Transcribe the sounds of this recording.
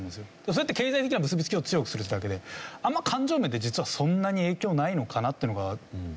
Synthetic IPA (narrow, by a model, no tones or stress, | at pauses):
nesɨjo̞d̥̪es̬oet̪ːeke̞ːzait̪einabɯ̟s̬ɨbʲi̥t͡sɨ̥kʲio̞t͡sɨjo̞kɯ̟sɨɾɯ̟t̪ːed̪ake̞d̪e̞amːakʰãɲ̟d͡ʑo̞ːme̞d̪e̞d͡ʑit͡sɨβasõ̞nːaɲ̟ie̞ːkʲo̞ːnaino̞kʰanat̪ːe̞iɯ̟noɡa